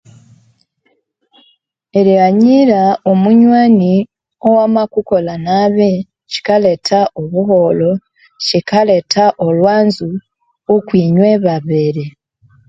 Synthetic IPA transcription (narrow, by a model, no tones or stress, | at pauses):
eɾiɣaɲiɾaomuɲwaːni | o̞wamakuko̞lanaβe | ci̥kale̞tʰaʔoβuɦo̞lo̞ | cikale̞tʰaʔolwaːnzu | okwiːɲweβaβeɾe